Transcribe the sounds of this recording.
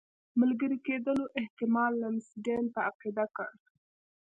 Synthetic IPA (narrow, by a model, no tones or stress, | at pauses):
malɡəɾiked̪əloʔɪht̪ɪmɑlːaɪnsiɖenpəaqid̪akə̰ɽ